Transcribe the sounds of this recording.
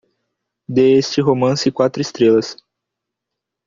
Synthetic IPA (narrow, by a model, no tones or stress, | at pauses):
d̪eest͡ʃɪɦomɐ̃sɪkwat̪ɾʊɪst̪ɾelɐs